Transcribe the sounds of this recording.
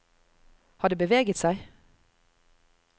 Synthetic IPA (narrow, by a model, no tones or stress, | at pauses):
hɑːɖ̪eːbəʋeːɡət̪sæɪ